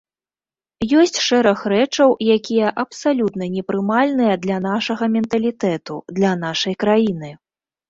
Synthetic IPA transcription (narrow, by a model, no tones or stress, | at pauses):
jɔsʲt͡sʲʂɛɾɐxɾɛt͡ʂɐwjakʲijɐʔɐpsalʲut̪nɐnʲɛpɾɨmalʲnɨjɐd̪lʲɐnaʂɐɣɐmʲɛnt̪ɐlʲit̪ɛt̪ṵd̪lʲɐnaʂɐjkɾajin̪ɨ